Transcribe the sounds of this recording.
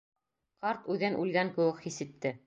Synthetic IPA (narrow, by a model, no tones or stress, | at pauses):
qɑɾt̪ʉðɘnʔʉlɡæŋkɘ̆wɘkhisɘ̆t̪ːɘ